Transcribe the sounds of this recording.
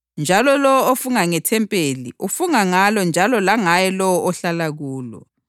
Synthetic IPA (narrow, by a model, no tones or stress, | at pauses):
nd͡ʒʱalɔlɔwɔofuŋaŋɛtʰɛmpʼeliʔufuŋaŋalɔnd͡ʒʱalɔlaŋajɛlɔwɔʔɔɬalaɣuːlɔ̰